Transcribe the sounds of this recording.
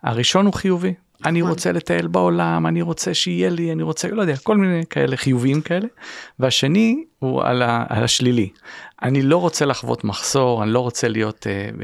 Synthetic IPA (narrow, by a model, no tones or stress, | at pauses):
a̰ʁiʃo̞nhuχijuvi | aniʁo̞t͡selet̪ae̞lbao̞lamaniʁo̞t͡se̞ʃeijelianiʁo̞t͡selo̞jd̪eako̞lminejkae̞̰le̞χijuviimkae̞le̞veaʃe̞nihua̰laa̰laʃliliʔanilo̞ʁo̞t͡selaχvo̞̰t̪maχso̞ʁanilo̞ʁo̞t͡se̞lijo̞t̪ḛ